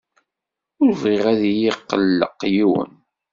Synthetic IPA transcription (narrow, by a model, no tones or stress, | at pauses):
ʊɾvʁeʁæðijiqːəlːə̰qːjiwə̰n